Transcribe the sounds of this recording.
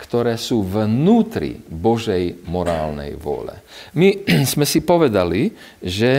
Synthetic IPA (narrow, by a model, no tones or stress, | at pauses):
kt̪ɔɾɛːsuːvnuːt̪ɾḭbɔʒɛjmɔɾaːlnɛ̰jʋʊɔ̰lɛ̰miz̥mɛsipɔʋɛd̪ali | ʒɛ